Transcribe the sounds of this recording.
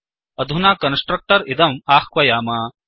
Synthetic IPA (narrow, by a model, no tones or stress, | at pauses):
ɐd̪ʱunaːkɐnsʈɾɐk̚ʈɐɾid̪ɐmaːxkʋɐjaːmaː